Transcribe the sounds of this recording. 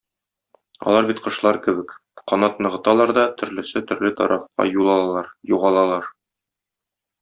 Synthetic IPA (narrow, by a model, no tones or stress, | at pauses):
ɒ̰lˠɑɾbit̪qɤ̆ʃlˠɑɾkɘ̆bɘkqɒnɑt̪nɤ̆ʁɤ̆t̪ɑlˠɑɾd̪ɒt̪ʰɵ̆ɾlɘ̆sɘt̪ɵ̆ɾlɘt̪ɒ̰ɾʔɑfqɑ̰julˠɑlˠɑɾjuʁɑlˠɑlˠɑɾ